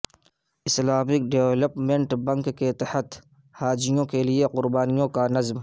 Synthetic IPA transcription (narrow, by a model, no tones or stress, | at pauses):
ɪslaːmɪk̚ɖewləpmẽɳʈbɐ̃ŋkːket̪ɪhət̪ | haːd͡ʒɪjõkelieqʊɾbaːnijõkanɐzm